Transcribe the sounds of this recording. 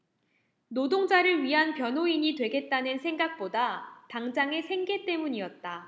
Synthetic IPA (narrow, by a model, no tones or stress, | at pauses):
nodoŋd͡ʑaɾɯɭɥiɦanpjʌnɦoiɲitwe̞ɡe̞t̚t͈anɯnsʰe̞ŋɡak̚p͈odataŋd͡ʑaŋe̞sʰe̞ŋɡe̞t͈e̞muɲiʌt̚t͈a